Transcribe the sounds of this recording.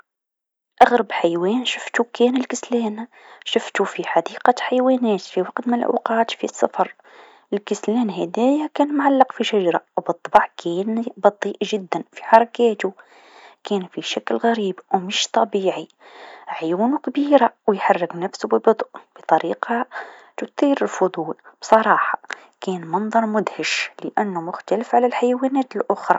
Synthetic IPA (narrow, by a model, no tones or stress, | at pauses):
ʔaɣɾɑbħajwɛːnʃʊft̪ukɛːnəlkəslæːnʃəft̪ufiħad̪iːqɑħajwæːnɛːt̪fiwɑqt̪mɪlʔa̰qɑːt̪fisˤːɑ̰fɑɾˤ | ʔɪlkəslæːnɦæd̪æːjakæːnmʕalːɑqfiʃaʒɑɾˤɑwbɨt̪ˤːɑbɑʕkʰɛːnbɑt̪ˤːiːʔʒɪd̪ːænfi̥ħɑɾˤɑkæːt̪u | kæːnfiʃæklɣæɾiːbwməʃt̪ˤɑbiːʕi | ʕjuːnukbiːɾawjħɑrˤːəɡnæfsubəbʊd̪ˤʔb̥ət̪ˤɑɾiːqɑt̪ʊt̪ˤiːɾəlfʊd̪ˤuːlb̥sˤɑɾˤɑːħɑ̥ | kæːnmɑnd̪ˤɑɾˤmʊd̪həʃləʔænːumʊxt̪æləfʕalælħajawænæːt̪əlʔʊxɾˤɑ̰